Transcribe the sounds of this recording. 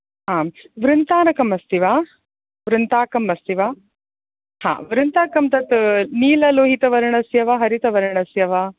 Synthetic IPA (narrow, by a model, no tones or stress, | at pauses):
ɦãːʋɾɪnt̪aːnɐkɐmɐst̪iʋaː | ʋɾɪnt̪aːkɐmɐst̪iʋaː | hã̰ːʋɾɨnt̪aːkɐmt̪ɐt̪niːlɐloːɦit̪ɐʋɐɾɐɳɐsjɐʋɐɦɐɾit̪ɐʋɐɾɐɳɐsjɐʋa